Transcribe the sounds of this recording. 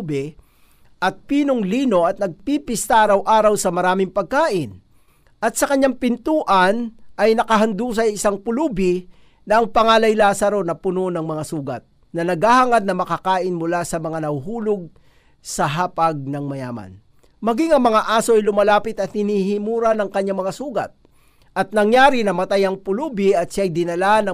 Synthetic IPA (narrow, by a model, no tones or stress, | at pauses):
bɪ | ʔɐt̪̚piːnoŋliːno̞ʔɐt̪̚nɐɡ̚pipɪst̪aːɾɐwʔaːɾɐwsɐmɐɾaːmɪŋpɐɡ̚kaːʔɪn | ʔɐt̪̚sɐkɐɲːaŋpɪnt̪uːʔɐnʔɐjnɐkɐɦɐnd̪uːs̬ɐjʔɪsaŋpʊlubɪ | nɐʔɐŋpɐŋaːlɐjlaːsɐɾo̞nɐpʊnonɐŋmɐŋasuːɡɐt̪̚ | nɐnɐɡahaŋad̪nɐmɐkakaːʔɪnmʊlasɐmɐŋanɐhuɦuːloɡ̚ | sɐɦaːpaɡ̚nɐŋmɐja̰ːma̰n | mɐɡiŋɐŋmɐŋaʔaːsoʔɐjlʊmɐlaːpɪt̪ɐt̪̚hɪnihimuːɾanɐŋkɐɲːaŋmɐŋasuːɡɐ̰t̪̚ | ʔɐt̪̚nɐŋjaːɾinɐmɐt̪ajɐŋpʊluːbɪɐt̪̚ʃajd̪ɪnɐlanɐ